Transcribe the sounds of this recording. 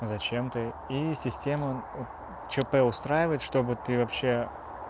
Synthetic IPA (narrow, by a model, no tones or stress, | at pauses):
zɐt͡ɕe̞mt̪ɨ | isʲɪsʲtʲeməot̪ | t͡ɕɪpɛʊst̪ɾajɪvəjɪt̪ʂt̪o̞bɨt̪ɨvɐpɕːe̞